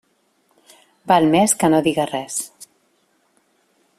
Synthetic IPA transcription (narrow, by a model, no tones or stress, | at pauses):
balmeskənoðiɣərɛs